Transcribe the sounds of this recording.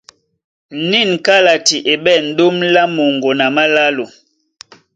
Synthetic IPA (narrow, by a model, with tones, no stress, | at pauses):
ni˦˨n˨ka˦la˨ti˨ʔe˨bɛ˦˨n̩˨˦do˦mla˦mo˨ŋɡo˨na˨ma˦la˦lo˨